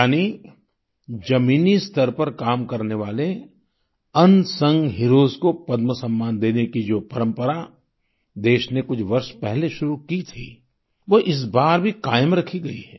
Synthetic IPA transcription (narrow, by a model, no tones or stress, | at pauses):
jaːni | d͡ʒɐmiːnist̪ɐɾpɐɾkaːmkɐɾneʋaːle | ɐ̃nsɐ̃ŋɡɦɪɾoːzkopɐd̪məsɐ̃mːaːnd̪eːnekid͡ʒoːpɐɾə̃mpəɾa | d̪eːʃnekʊt͡ʃʰʋɐɾʃpɛɦleʃʊɾukit̪ʰiː | ʋoʔɪs̬baːɾbʱikaːjəmɾɐkʰiɡɐiɦɛː